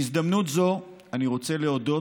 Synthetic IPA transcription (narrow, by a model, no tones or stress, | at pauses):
izd̪amnut̪zo̞ | aniʁo̞t͡se̞leod̪o̞